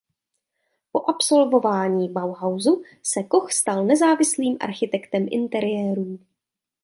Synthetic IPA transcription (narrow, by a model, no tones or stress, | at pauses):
po̞ʔapso̞lvo̞vaːɲiːbawɦawzu | sɛko̞xst̪alnɛzaːvɪsliːmʔa̰ɾxɪt̪ɛkt̪ɛmʔɪ̰nt̪ɛɾɪjɛːɾuːm